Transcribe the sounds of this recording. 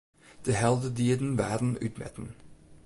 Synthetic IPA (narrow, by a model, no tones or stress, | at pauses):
d̪̥əɦɛlˠd̪əd̪iːd̪n̩ʋæːd̪n̩ʉ̰ːt̪mɛ̰t̪n̩